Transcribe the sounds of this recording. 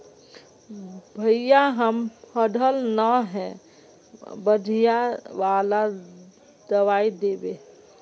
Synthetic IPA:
bʱəjjaɦəmpʰəɖʱəlnəɦɛ̃ | bəd̪ʱijaʋala | d̪əʋaid̪ebe

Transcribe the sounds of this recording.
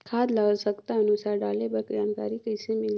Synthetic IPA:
kʰaːd̪laːlsəkt̪aɐnʊsaːɾɖaːlebɐɾkd͡ʒaːmkaːɾikəɪsemɪl

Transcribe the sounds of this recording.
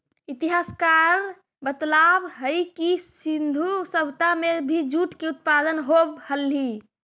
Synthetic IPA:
it̪iɦaskaɾ | bət̪labɦəjkisind̪ʱusəbʱt̪amebʱid͡ʒuʈkeut̪̚pad̪ənɦobhəlɦi

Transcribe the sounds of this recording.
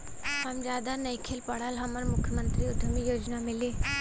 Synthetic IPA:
hɐmd͡ʒjaːd̪anəikʰeːlpəɽəlɦɐməɾmʊkʰjəmə̃nt̪ɾiʊd̪ʱəmijoːd͡ʒnamɪliː

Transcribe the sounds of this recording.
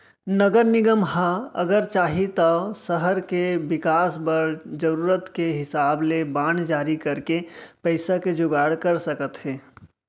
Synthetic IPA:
nəɡəɾnɪɡəmɦãə̰ɡəɾt͡ʃaːɦit̪ɔsəɦəɾkebɪkaːsbəɾd͡ʒəɾuːɾət̪keɦɪsaːblebaːnd͡ʒaːɾikəɾkepəɪsaked͡ʒʊɡaːɽkəɾsəkət̪ɦɛː

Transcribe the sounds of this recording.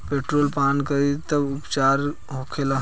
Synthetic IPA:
peʈɾolpankəɾit̪əbupt͡ʃaɾ | ɦokʰela

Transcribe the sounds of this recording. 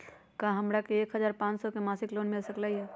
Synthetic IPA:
kãɦəmɾakeːkɦəzaːɾpãːt͡ʃsɔkemaːsɪkloːnmɪlsəklaiɦɛː

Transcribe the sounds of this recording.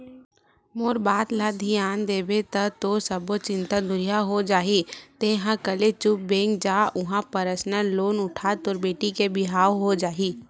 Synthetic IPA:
moːɾbaːt̪laːd̪ʱiaːnd̪eːbet̪ɐt̪osəbot͡ʃɪ̃nt̪ad̪ʊɾijaɦod͡ʒaːɦit̪eɦãkəlet͡ʃʊp̚bẽːŋɡd͡ʒaːʔʊɦãpəɾəsnəloːnʊʈʰaːt̪oːɾbeːʈikebɪɦaːoɦod͡ʒaːiː

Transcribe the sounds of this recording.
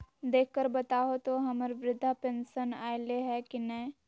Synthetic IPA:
d̪eːkʰkəɾbɐt̪aːot̪oɦɐməɾʋɾɪd̪ʱːapɛ̃nʃənaːɪleɦɛkinɛ̃ː

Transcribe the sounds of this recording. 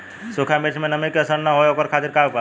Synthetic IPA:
sokʰamet͡ʃʰmenəmikeəsəɾnəɦoeoːkəɾkʰat̪iɾkapa

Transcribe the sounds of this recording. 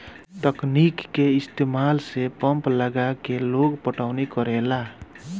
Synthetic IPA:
ʈəknikːeist̪emalsepʌmpləɡakeloɡpəʈawnekʌɾela

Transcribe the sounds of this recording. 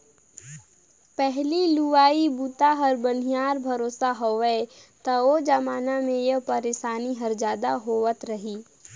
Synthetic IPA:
pɛɦliluʋaːibuːt̪aɦɐɾbən̤ijaːɾbʱɐɾoːsaɦoʋɛt̪ɐod͡ʒɐmaːnamẽjɐpɐɾeːʃaːniɦɐɾd͡ʒaːd̪aɦoːʋət̪ɾɐɦiː

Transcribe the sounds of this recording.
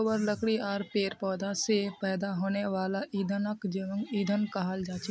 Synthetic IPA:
wəɾləkɽiɔːɾpeːɾpɔːd̪ãsepɛːd̪aɦoːneʋaːlaʔiːd̪ʱənəkd͡ʒəəŋɡiːd̪ʱənkaɦald͡ʒaːt͡ʃ

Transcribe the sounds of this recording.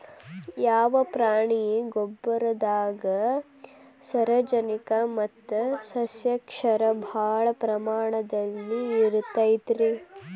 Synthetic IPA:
jaːʋɐpɾaːɳijeɡobːɐɾɐd̪aːɡɐ | sɐɾɐd͡ʒɐnikɐmɐt̪ːɐsɐsjɐkʂɐɾɐbʱaːɭɐpɾɐmaːɳɐd̪ɐlːiːɾut̪ːajd̪ɾe

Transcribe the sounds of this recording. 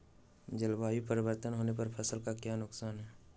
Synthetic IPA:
d͡ʒəlbaːipəɾɪwəɾt̪ənɦoːnepɐɾpʰɐsəlkakjaːnʊksaːnɦɛː

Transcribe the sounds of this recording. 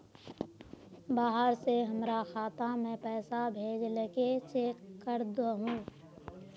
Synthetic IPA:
baːɦəɾseɦəmɾaxaːt̪amɛ̃ːpɛːsabʱeːd͡ʒləket͡ʃeːkːəɾd̪oɦũː

